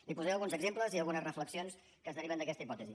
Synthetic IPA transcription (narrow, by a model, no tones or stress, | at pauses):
lipuzɛəlɣunzəɡzempləziəlˠɣunəzrəfləksions | kəzðəɾiβənd̪əkɛst̪əipɔt̪əzi